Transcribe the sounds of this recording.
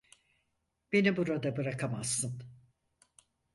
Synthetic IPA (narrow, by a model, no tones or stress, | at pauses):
b̥e̞nibuɾad̪abɯɾakʰamasːɯn